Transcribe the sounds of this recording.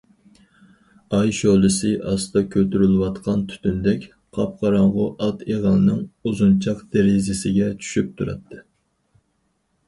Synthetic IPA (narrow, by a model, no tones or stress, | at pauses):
ɑjʃolˠɨsɨʔɑst̪ɑkʲʰøt̪yɾylwɑt̪qʰɑnt̪ʰy̥t̪ʰynd̪ɛkʲ | qʰɑp̚qʰɑɾɑɴʁʊʔɑt̪eʁɑlˠnɨŋuzunt͡ʃʰɑqd̪̥eɾɪzɪsɪɡʲɛt͡ʃʰy̥ʃyp̚t̪ʰuɾɑ̰t̪ʰːɨ